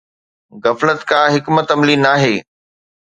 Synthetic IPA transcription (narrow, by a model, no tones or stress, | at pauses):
ɣɐflət̪kãːɦɪkmət̪ɐmlinaːɦeː